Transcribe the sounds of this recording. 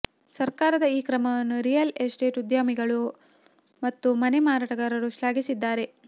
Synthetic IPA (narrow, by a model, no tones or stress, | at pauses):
sɐɾkaːɾɐd̪ɐiːkɾɐmɐʋɐnːuɾijɐlesʈe̞ːʈud̪jaːmiɡɐɭu | mɐt̪ːumɐnemaːɾaːʈɐɡɐɾɐɾuʃlaːɡisid̪ːaːɾe̞